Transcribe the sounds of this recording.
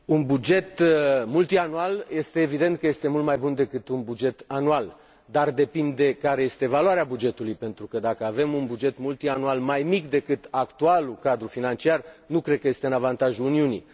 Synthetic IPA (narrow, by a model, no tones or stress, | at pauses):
unbud͡ʒe̞t̪mult̪ianualje̞st̪eːvid̪e̞nt̪̚kəje̞st̪e̞mult̪majbund̪e̞kɨt̪unbud͡ʒe̞t̪anual | d̪ard̪e̞pind̪e̞kaɾe̞je̞st̪e̞valoaɾeabud͡ʒe̞t̪ulujpe̞nt̪ɾukəd̪akəave̞munbud͡ʒe̞t̪mult̪ianualmajmikd̪e̞kɨt̪akt̪ualukad̪ɾufinant͡ʃiarnukɾed̪̚kəjest̪eɨnavant̪aʒuːniunḭ